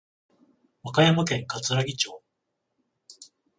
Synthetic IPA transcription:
βakajamokẽ̞ŋkat͡sɨɾaɡʲit͡ɕo̞ː

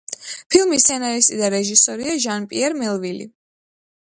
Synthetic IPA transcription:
pʰilˠmist̪sʰɛnaɾist̪ʼid̪aɾɛʒisɔɾiaʒanpʼiɛɾmɛlˠvilḭ

